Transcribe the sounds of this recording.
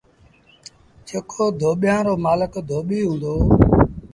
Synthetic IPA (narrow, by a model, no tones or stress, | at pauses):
t͡ʃeːkʰoːd̪ʱoːɓjãːɾoːmaːləkd̪ʱoːɓiːɦʊ̃nd̪oː